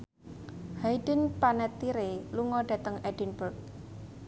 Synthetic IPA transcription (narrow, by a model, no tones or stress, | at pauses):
haidə̤npanɛt̪ːiɾeluŋɔɖ̥a̤t̪əŋɛdinbərk̚